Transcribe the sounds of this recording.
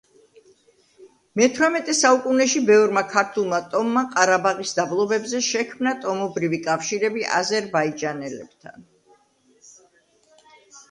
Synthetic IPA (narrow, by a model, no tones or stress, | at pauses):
mɛt̪ʰvɾamɛt̪ʼɛsaukʼunɛʃibɛvɾmakʰaɾt̪ʰulˠmat̪ʼɔmːaqʼaɾabaʁisd̪ablˠɔbɛbzɛʃɛkʰmnat̪ʼɔmɔbɾivikʼafʃiɾɛbiʔa̰zɛɾbaid͡ʒanɛlɛ̰b̥̚t̪ʰa̰n